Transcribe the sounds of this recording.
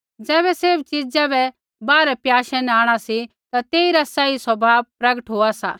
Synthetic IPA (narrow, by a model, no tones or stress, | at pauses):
d͡zɛːβɛseɾb̚t͡ʃid͡zabɛ | baːɾɛpjaːʃɛ̃nɛaːɽ̃asi | t̪at̪eːiɾasaiswɐbʱaːʋpɾɐɡəʈɦoːasa̰